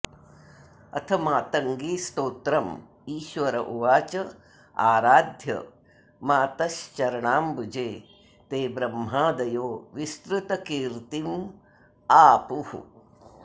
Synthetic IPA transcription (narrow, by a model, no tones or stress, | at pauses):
ɐ̰t̪ʰɐmaːt̪ɐŋɡiːst̪oːt̪ɾɐm | iːʃʋɐɾɐʔuʋaːt͡ʃɐ | aːɾaːd̪ʱjɐ̰ | maːt̪ɐʃt͡ʃɐɾɐɳaːmbud͡ʒeː | t̪eːbɾɐmɦaːd̪ɐjoːʋist̪ɾut̪ɐkiːɾt̪im | aːpuhṵ